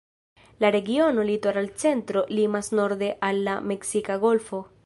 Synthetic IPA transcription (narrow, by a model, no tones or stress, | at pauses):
laɾe̞ɡio̞no̞litaɾalt͡se̞ntɾo̞limasno̞ɾd̪e̞ʔalːame̞ksikaɡo̞lfo